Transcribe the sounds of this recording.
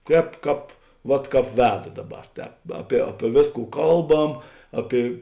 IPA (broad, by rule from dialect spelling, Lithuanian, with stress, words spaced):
ˈtʲɛːp ˈkɑːp ʋɐt ˈkɑːp ˈʋʲæːdʊ ˈdɑːˌbɐr ˈtʲɛːp ˈɑːpʲiɛ ˈɑːpʲiɛ ˈʋʲeːsˌkuː ˈkɐlˠˌbɐm ˈɑːpʲiɛ